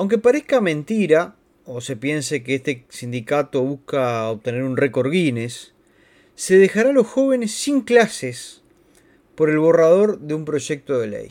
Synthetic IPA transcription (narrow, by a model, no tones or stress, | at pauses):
awŋkepaɾehkamẽ̞nt̪iɾa | ose̞pje̞nse̞keest̪esind̪ikat̪o̞β̞uskaoβt̪e̞ne̞ɾunreko̞ɾɣine̞sː | e̞ð̞exaɾalo̞sxo̞β̞e̞ne̞sːiŋklases | po̞ɾe̞lβo̞rað̞o̞ɾðeumpɾo̞ʒek̚t̪o̞ðe̞lḛj